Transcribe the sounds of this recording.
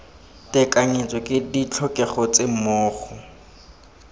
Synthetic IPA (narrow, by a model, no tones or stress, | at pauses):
tʼɛkaɲet͡sʼɔkʼɪdit͡ɬʰɔkʼɛχɔt͡sʼemʊːχʊ